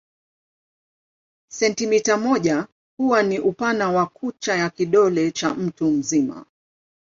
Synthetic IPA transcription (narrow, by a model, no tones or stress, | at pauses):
sɛntimitamɔʄa | huwaniʔupanawakut͡ʃajakiɗɔlɛt͡ʃam̩tum̩zima̰